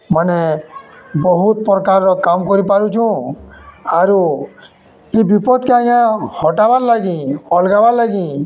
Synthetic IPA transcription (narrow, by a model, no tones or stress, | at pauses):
mane | bɔɦut̪̚pɾɔkaɾːɔkamkɔɾipaɾut͡ʃʰũ | aɾu | ibipɔd̪keajãhɔʈabaɾlaɡĩɔlɡabalaɡĩ